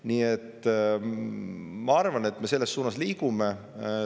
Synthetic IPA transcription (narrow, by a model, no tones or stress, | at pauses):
niːet̪ː | mɑɑrvɑne̞t̪ːme̞se̞lːe̞sːuːnɑsliːkume